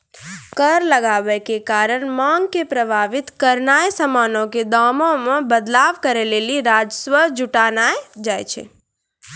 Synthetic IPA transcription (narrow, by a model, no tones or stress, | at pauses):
kəɾləɡaʋəkekaɾəɳmãŋɡkepɾəbʱaʋɪt̪kəɾnajsəmaːnõked̪amõmãbəd̪laːʋkəɾeleliɾad͡ʒsʋəd͡ʒʊʈanajd͡ʒajt͡ʃʰḛ